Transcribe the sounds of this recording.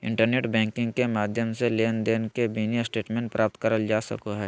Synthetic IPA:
ɪ̰̃ɳʈəɾneːʈbɛ̃ːŋkɪ̃ŋɡkemaːd̪ʱjəmseleːnd̪eːnkebinisʈeːʈmẽːɳʈ̚pɾʔaːp̚t̪kəɾəld͡ʒaːsɐ̰koɦɛː

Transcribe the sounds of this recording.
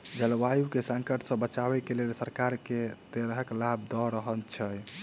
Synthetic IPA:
d͡ʒəlwajukesə̃ŋkəʈsə̃bət͡ʃaβɛkelelsəɾkaɾket̪eɾɦəklabd̪ɔɾəɦəlt͡ʃʰəj

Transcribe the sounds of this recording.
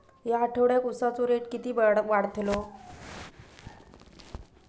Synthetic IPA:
ɦjaːʈʰəʋɽjakusat͡soɾeʈkit̪iːbɽʋaɽt̪ʰlo

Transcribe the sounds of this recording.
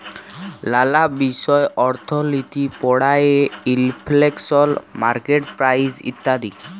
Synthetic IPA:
lalabisɔeʔɔɾt̪ʰɔlit̪ipɔɽajeilpʰleksɔlmaɾkeʈpɾajsḭt̪ːad̪i

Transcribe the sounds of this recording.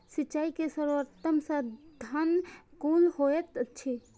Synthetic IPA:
sit͡ʃaikesəɾʋəɾt̪əmsə̃d̪ʱənkulhoet̪t͡ʃʰi

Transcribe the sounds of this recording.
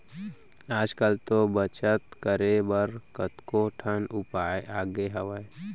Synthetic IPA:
aːd͡ʒkəlt̪obət͡ʃət̪kəɾebəɾkət̪koʈʰənʊpaːeʔaːɡeɦəʋəe

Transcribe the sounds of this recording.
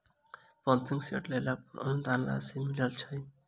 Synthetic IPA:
pɔmpiŋsioʈlelapoɾɔ̰nud̪anla̰similalt͡ʃʰɔj

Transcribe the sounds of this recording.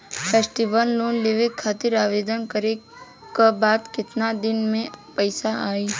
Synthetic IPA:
fʰɛːsʈibənloːnleːʋekʰːaːt̪ɪɾaːʋeːd̪ənkəɾe | kabaːt̪kɪt̪nad̪ɪnmẽpəɪsaaːiː

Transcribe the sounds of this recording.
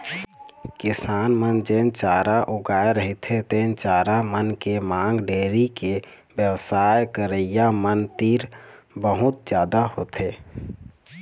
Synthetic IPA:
kɪsaːnmənd͡ʒeːnt͡ʃaːɾaʔuɡaːeɾəɦit̪ʰet̪ẽnt͡ʃaːɾamənkemãːŋɡɖeːɾike | bjəwsajkəɾəjamənt̪iːɾ | bəɦut̪̚d͡ʒjaːd̪ahot̪ʰe

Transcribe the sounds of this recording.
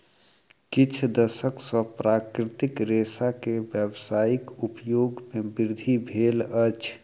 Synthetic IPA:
kit͡ʃʰd̪əsəksə̃pɾakɾit̪ikɾesakebjəbsaikupjoɡmebiɾd̪ʱibʱelət͡ʃʰ

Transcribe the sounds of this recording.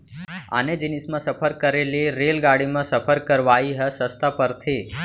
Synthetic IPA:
a̰ned͡ʒinismãsəpʰəɾkəɾeliɾeːlɡaɽimãsəpʰəɾkəɾʋaiɦəsəst̪ʰapəɾt̪ʰe

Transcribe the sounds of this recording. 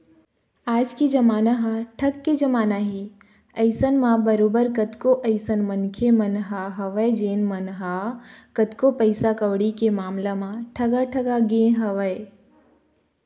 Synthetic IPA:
aːd͡ʒkid͡ʒɐmaːnaɦãʈʰɐkkːed͡ʒɐmaːnaɦi | əɪsənmãbɐɾoːbəɾkɐt̪koʔəɪsənmɐnkʰemɐnɦaɦɐʋəjd͡ʒeːnmɐnɦakɐt̪kopəɪsakɐʋɽikemaːmlamãʈʰɐɡaʈʰɐɡaɡẽɦɐʋəe

